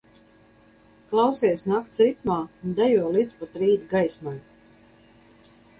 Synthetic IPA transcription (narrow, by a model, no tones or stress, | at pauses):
klˠawsiɛsnakt̪sit̪̚maːnd̪ɛjuɔlˠit̪spɔt̪ɾiːd̪ɡajsmaj